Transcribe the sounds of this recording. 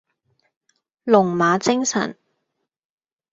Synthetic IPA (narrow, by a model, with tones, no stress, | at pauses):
lʊ˨˩ŋmaː˨˧t͡sɪ˥ŋsɐ̰˨˩n